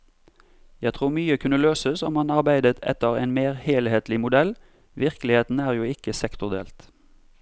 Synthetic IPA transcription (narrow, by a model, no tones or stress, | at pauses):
jæɪt̪ʰʁuːʁmyːəkʰʉnəløːsəsɔmhɑnɑʁbæɪd̪ət̪ʰɛ̰t̪ːəʁæ̰ɪnmeːʁheːlheːt̪lɪmʊd̪ɛl | ʋɪʁkəlɪheːt̪n̩æːʁjuːɪkəsɛkt̪ʊʁd̪ḛːlt̪